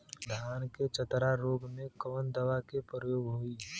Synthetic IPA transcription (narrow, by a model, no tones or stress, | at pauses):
d̪ʱaːnket͡ʃət̪ɾaɾoːɡmẽkəʋənd̪əʋakepɾəjoːɡɦʊiː